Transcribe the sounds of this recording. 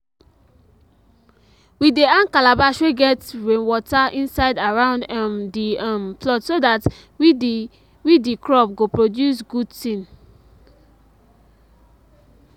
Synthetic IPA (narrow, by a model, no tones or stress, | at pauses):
wideãnkalabaʃweɡɛtɹẽnwɔtaʔĩnsaɪdaɹãʊ̃ndãmdiãmplɔtsodat | wi | widikɹɔp̚ɡopɹodjus̬ɡudtĩn